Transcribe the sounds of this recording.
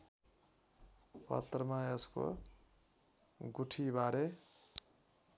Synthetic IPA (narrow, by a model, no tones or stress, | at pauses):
pʌ̰t̪ːrʌmajʌsko̰ | ɡuʈʰibaɾe